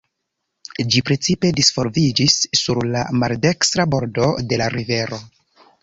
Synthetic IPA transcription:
d͡ʒipɾet͡sipe̞disfo̞ɾvid͡ʒisːuɾla̰malde̞kstɾabo̞ɾdo̞de̞laɾive̞ɾo̞

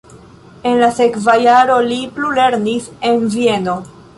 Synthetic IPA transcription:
e̞nlase̞kvajaɾo̞liplule̞ɾnise̞nvie̞no̞

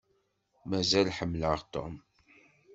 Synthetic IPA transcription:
mæzælħəmːləʁt̪o̰m

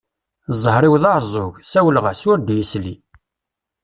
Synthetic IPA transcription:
zˤəhɾˤiwðɑʕzˤʊʝsæwələʁəsʊɾd̪jislḭ

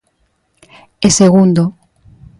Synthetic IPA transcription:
eseɣund̪o

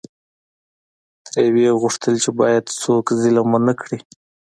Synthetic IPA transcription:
t̪ɾeweɣʊʂt̪əlt͡ʃebɑjad̪sokzilamunakɽi

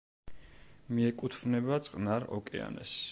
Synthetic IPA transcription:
miɛkʼut̪ʰvnɛbat̪sʼqʼnaɾɔ̰kʼɛ̰a̰nɛ̰s

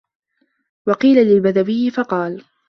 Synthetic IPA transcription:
wɑqiːlalɪlbaðabɪjɪfɑqɑːl

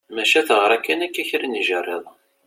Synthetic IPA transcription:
mæʃæθəʁɾˤækːænækːæçɾiniʒərˤːeðˤ

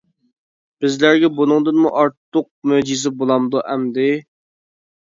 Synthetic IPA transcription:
b̥ɪzlæɾɡʲɛbunɨŋd̪ɨnmuʔɑɾt̪ːʊq̚mød͡ʒizɪbolˠɑmd̪uʔɛmd̪ɪ

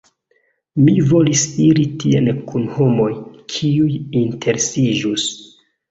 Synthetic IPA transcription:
mivo̞lisiɾitienkʰunho̞mo̞jkʰiujintʰe̞ɾesid͡ʒus

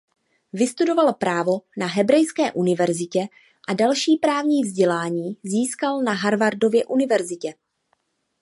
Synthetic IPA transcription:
vɪst̪udo̞valpɾaːvo̞naɦɛbɾɛjskɛːʔunɪvɛɾzɪcɛ | ʔadalʃiːpɾaːvɲiːvzɟɛlaːɲiːziːskalnaɦaɾvaɾdo̞vjɛʔunɪvɛɾzɪcɛ

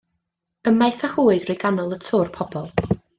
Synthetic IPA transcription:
əmajθəhuːɨd̥rɪɡanɔlˠətʰʊrpʰɔbɔlˠ

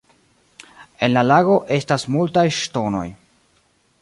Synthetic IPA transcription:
e̞nlalaɡo̞ʔe̞stasmultajʃto̞no̞̰j

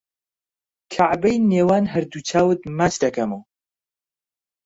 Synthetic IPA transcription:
kʰaʕbɛjneːwaːnɦɐɾd̪ut͡ʃʰaːwɨt̪̚maːt͡ʃd̪ɐkʰɐmow

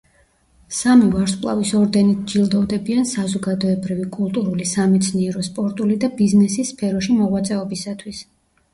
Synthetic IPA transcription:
samivaɾskʼlˠa̰visɔɾd̪ɛnit̪̚ʰd͡ʒilˠd̪ɔvd̪ɛbiansazɔɡad̪ɔɛbɾivikʼulˠt̪ʼuɾulisamɛt̪sʰniɛɾɔspʼɔɾt̪ʼulid̪abiznɛsisːpʰɛɾɔʃimɔʁwat̪sʼɛɔbisat̪ʰwis

